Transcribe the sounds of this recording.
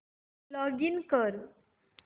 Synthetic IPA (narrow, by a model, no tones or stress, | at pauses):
lɔɡinkəɾ